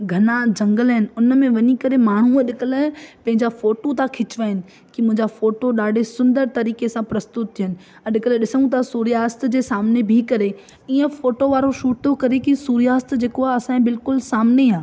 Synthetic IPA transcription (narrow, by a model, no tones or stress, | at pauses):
ɡʱɐnãd͡ʑɐ̃ŋɡəlɦɪnɪ̆ʊnəmẽʋɐɲikɐɾemaːɳ̤uəɗɪkələpɐ̃ɦɪ̃ɲd͡ʑafoːʈot̪ʰãkʰɪt͡ɕʋaːɪnɪ̆ | kimʊ̃ɦɪ̃ɲd͡ʑafoːʈoɗaːɖʱesʊ̃nd̪əɾt̪ɐɾiːkesãpɾɐst̪ʊt̪̚t̪ʰiɦənɪ̆ | ɗɪkəlɗɪsəɽ̃ũt̪ʰasuːɾijaːst̪d͡ʑeːsaːmnebʱikɐɾe | iːə̃foːʈoʋaːɾoʃuːʈ̚t̪ʰokɐɾekisuːɾijaːst̪d͡ʑeːkoaɐsãːbɪlkʊlsaːmneãː